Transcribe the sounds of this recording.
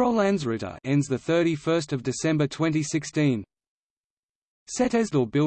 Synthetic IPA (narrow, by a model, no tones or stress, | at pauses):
əʊlæ̃nzɹɪɾə̰ɛ̃ndzðɨθɜˑ˞ɾifɜˑ˞s̬tʌvdɨsɛ̃mbətʰw̥ɛ̃ntisɪkstĩn | sɛɾɛzləbɪ